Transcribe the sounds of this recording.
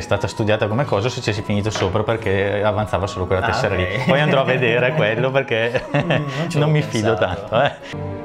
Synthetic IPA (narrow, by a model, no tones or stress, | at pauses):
st̪aːt̪ast̪ud̪jaːt̪akomekːɔːzaset͡ʃːɛs̬ifiniːt̪osoːpɾaperkeavant̪saːvasoːlokwelːat̪ɛsːeɾalipɔjand̪ɾɔavːed̪eːɾekwelːoperke | nomːifid̪ot̪ant̪oɛ